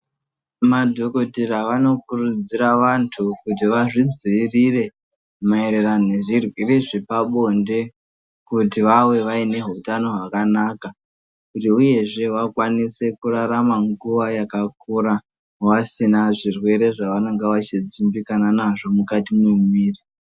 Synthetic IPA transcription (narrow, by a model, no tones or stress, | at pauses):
madʱo̞ko̞tiraʋano̞kurud͡ziɾaʋantʰukut̬iʋaʐid͡ziːrire̞ | maeɾeranoe̞ʐirwireʐipaɓo̞nde̞ | kutiʋawe̞ʋaine̞ɦutano̞ɦwakanaka | kutiuje̞ʐe̞wakwanise̞kuraɾamaŋɡuʋajakakuɾa | wasinaʐirwe̞ɾe̞ʐaʋano̞ŋɡeʋat͡ʃid͡zimbikananaʐo̞mukatimemwiːri